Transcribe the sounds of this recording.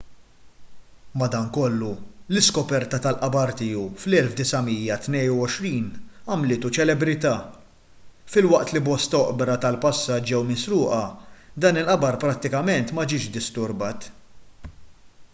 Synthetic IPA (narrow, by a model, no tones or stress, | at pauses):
mɐd̪ɐːŋkɔlːulɪskɔpɛɾt̪ɐt̪ɐlʔɐbɐɾt̪ɪːjuflɛlfd̪ɪsɐmiːjɐt̪nɛjnuɔʃɾiːnɐmlɪːt̪ut͡ʃɛlɛbɾɪt̪ɐː | fɪlwɐʔt̪libɔst̪ɔʔbɾɐt̪ɐlpɐsːɐd͡ʒɛwmɪsɾʊːʔɐd̪ɐːnɪlʔɐbɐɾpɾɐt̪ːɪkɐmɛnt̪mɐd͡ʒɪːʃd̪ɪst̪ʊɾbɐːt̪